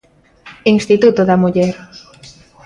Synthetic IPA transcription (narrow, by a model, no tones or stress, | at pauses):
iŋst̪it̪ut̪oðɐmuʎɛɾ